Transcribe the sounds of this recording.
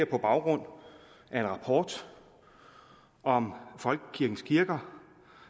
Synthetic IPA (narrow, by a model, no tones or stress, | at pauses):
ɐ̰pʰɒ̽b̥ɑ̈ʊɡ̥ʁɔ̽n̰ | æɐe̝nʁɑ̈pʰɒːd̥ | ɒ̽mfɒ̽lɡ̥əkʰːiɐɡ̥n̩skʰiɐɡ̥ɐ